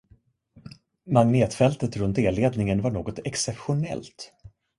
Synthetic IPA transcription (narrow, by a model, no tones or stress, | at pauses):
maŋneːt̪fɛlt̪ət̪ɾɵnt̪eːlːeːd̪nɪŋənvaɳoːɡɔt̪ɛksɛpɧʊnɛ̰lt̪